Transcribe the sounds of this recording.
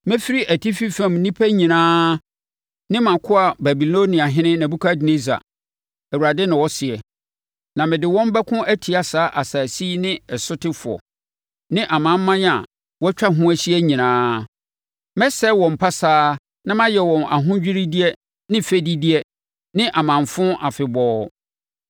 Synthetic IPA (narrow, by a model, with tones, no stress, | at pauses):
mɛ̃˦fi˦ɾi˦ʔæ˨tʰi˦fi˦fɛ̃˦˨mnĩ˦pʰæ˦ɲĩ˨nãː˦ | nɪ̃˦mã˨kʰʊ˦a˨bæ˨bi˨lo˦nĩ˨a˨ɦɪ̃˦nɪ̃˦nã˨bu˦kʰa˦dɪ˨nẽ˦sa̰˨ | æ˨wu˨ɾa˨dɪ˦nɪ̃˨wɔ˦sɪ˨ɛ˨ | nã˨mɪ̃˨dɪ˨wɔ̃˦m˦bɛ˦kʰʊ̃˦ʔæ˦tʰi˨a˨saː˨˦ʔa˨saː˨si˦nɪ̃˦ɛ˨sʊ˦tʰɪ˦fʊ˨ɔ̰˨ | nɪ̃˦ʔa˨mã˨˦m̩˦mã˦n˦a̰˨ | wɔ˦t͡ɕᶣa˦ɦʊ̃˦æ˨ɕi˦ɛ˦ɲĩ˨nãː˨˦ | mɛ˦sɛ˦wɔ̃˨m̩˨pʰa˦saː˦ | nã˦mã˦jɛ˨wɔ̃˨na̰˨ɦʊ̃˦d͡ʑᶣi˦ɾi˦di˦ɛ˦ | nɪ̃˦fe˦di˦di˦ɛ˦ | nɪ̃˦ʔa˨mã˨mfʊ̃˦ʔa˨fɪ˨bɔː˦